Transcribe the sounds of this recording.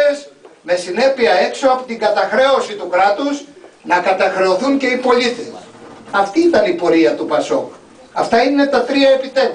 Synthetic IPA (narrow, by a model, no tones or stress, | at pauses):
esme̞sine̞piɐe̞kso̞ɐpot̪iŋɡɐt̪ɐxɾe̞o̞sit̪ukɾɐt̪uznɐkɐt̪ɐxɾe̞o̞θuŋce̞ipo̞lit̪e̞sɐft̪iit̪ɐnipo̞ɾiɐt̪upɐso̞̰k | ɐft̪ɐine̞t̪ɐt̪ɾiɐe̞pit̪ev